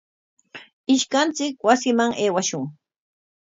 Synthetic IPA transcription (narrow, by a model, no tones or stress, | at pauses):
ɪʃkant͡sɪkwasɪmaŋeːwaʃʊŋ